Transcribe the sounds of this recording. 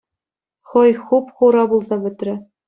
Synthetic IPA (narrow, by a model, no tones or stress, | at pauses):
χɤ̆jχupχuɾɑbulˠzɑbɘ̆t̪rʲɘ̆